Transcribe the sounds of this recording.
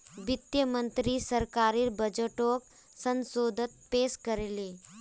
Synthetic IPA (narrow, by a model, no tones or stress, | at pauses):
ʋit̪jəmənt̪ɾiːsəɾkaɾiːɾbəd͡ʒəʈok | sə̃nsod̪ʱət̪̚peskəɾele